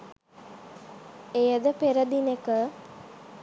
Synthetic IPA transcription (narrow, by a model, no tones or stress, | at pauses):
ejəd̪əpeɾəd̪inekə